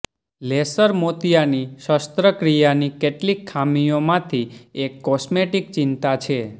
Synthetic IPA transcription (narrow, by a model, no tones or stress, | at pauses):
lesəɾmot̪ijaniʃəst̪ɾəkɾijanikeʈlikʰːamijomãt̪ʰiekːɔsmeʈik̚t͡ʃint̪at͡ʃʰe